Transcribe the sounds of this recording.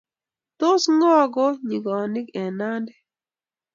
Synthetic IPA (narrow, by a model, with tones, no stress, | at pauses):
t̪o˦sŋɔ˦ɡɔ˦ɲi˨ɡɔ˨nɪ˦kɛ˨na˦ndɛ˦